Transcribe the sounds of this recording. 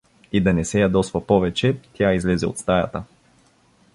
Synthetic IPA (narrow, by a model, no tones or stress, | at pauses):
id̪ɐnɛsɛjad̪ɔst̪vɐpɔvɛt͡ʃɛt̪ʲjaizlɛzɛo̰t̪st̪ajɐ̰t̪ə